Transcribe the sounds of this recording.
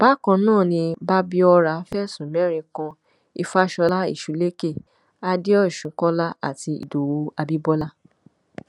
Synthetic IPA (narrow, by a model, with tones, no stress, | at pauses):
b̥a˦kã˧nãː˦˨nĩ˧ba˦bi˦ɔ˧ɾa˨˦fɛ˦˨sũ˨mɛ˦ɾ̃ĩ˧kã˧ | i˧fa˦˨ʃɔ˧la˦ḭ˦˨ʃu˨˦le˦ke˦˨ | a˦de˦ɔ˦˨ʃũ˨˦kɔ̃˦la˦a̰˦˨ti˧ḭ˨do˨wo˨˧˦a˧bi˦bɔ˦la˦